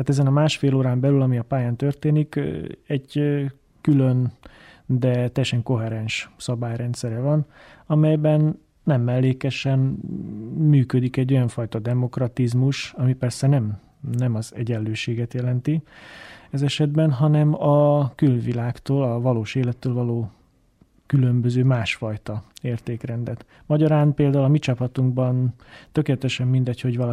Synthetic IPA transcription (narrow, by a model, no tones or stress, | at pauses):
aːt̪ɛzɛnɒmaːʃfeːloːɾaːmbɛlylɒmiɒpaːjaːnt̪ørt̪eːnikɛɟ | kyløn | d̪ɛt̪ɛjːɛʃɛŋko̞ɦɛɾɛnʃsɒbaːjrɛnt̪sɛɾɛvɒnɒmɛjbɛnː | ɛmːɛlːeːkɛʃɛn | myːkød̪ikɛɟːo̞jɒɱfɒjt̪ɒd̪ɛmo̞krɒt̪izmuʃɒmipɛrsɛnɛm | nɛmɒzɛ̰ɟɛlløːʃeːɡɛt̪jɛlɛnt̪i | ɛzɛʃɛd̪̚bɛnɦɒnɛmɒkylvilaːkt̪oːlɒvɒloːʃeːlɛt̪ːøːlvɒloː | kylømbøzøːmaːʃfɒjt̪ɒeːrt̪eːkrɛnd̪ɛt̪ | mɒɟɒɾaːnpeːld̪aːulɒmit͡ʃɒpɒt̪uŋɡbɒn | t̪økeːlɛt̪ɛʃɛmːind̪ɛcho̞ɟʋɒl